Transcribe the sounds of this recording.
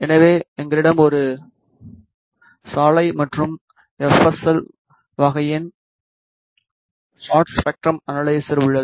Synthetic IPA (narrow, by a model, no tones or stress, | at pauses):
ɛnɐʋeːɛŋɡɐɾɪɽɐmɔɾɯ | saːlɐɪmɐʈrɯm | ɛfɐsɐl | ʋɐɣɐjɪn | saːʈspɛk̚ʈɾɐmɐnɐɭɐɪsɐɾɯɭːɐðɯ